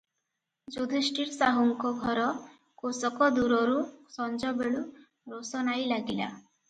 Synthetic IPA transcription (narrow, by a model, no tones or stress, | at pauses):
d͡ʒod̪ʱesʈiɾsaɦuŋkɔɡʱɔɾɔ | kosɔkɔd̪uɾɔɾusɔnd͡ʒɔbeɭu | ɾosɔnajlaɡila̰